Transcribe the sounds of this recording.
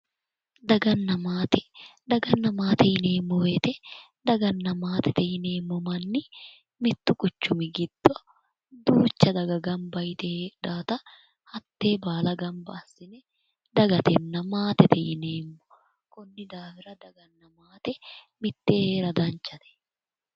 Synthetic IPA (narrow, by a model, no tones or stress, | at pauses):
d̪ɐɡɐnːɐmaːt̪ɛd̪ɐɡɐnːɐmaːt̪ɛjɪneːmːɔweːt̪ɛ | d̪ɐɡɐnːɐmaːt̪ɛt̪ɛjɪne̞ːmːɔmɐnːɪ | mɪt̪ːʊkʼʊt͡ʃːʊmɪɡɪd̪̥ːɔ | d̪uːt͡ʃːɐd̪ɐɡɐɡɐmbɐjɪt̪ɛᶑaːt̪ɐ | hɐt̪ːeːbaːlɐɡɐmbɐːsːɪnɛ | d̪ɐɡɐt̪ɛnːɐmaːt̪ɛt̪ɛjɪneːmːɔ | kʊnːɪd̪aːfɪɾɐd̪ɐɡɐnːɐmaːt̪ɛ | mɪt̪ːeheːɾɐd̪ɐnt͡ʃːɐt̪ɛ̥